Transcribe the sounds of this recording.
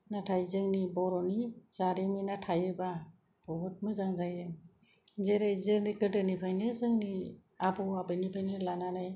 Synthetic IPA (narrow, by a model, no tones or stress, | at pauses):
natʰajzɯŋnibɔɾɔnizaɾiminatʰajɯba | bɔbut̚mɯzaŋzajɯŋ | zeɾajzɯɾnikɯdɯnipʰajnɯzɯŋni | abɔwabɯnipʰajnɯlananaj